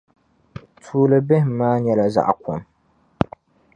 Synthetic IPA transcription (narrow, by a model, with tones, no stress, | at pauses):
tʰuː˦lɨ˦bɪ˦hɪ˨mːaː˦ɲɛ˦la˦za̰˨ʔkʷɔ̰˨m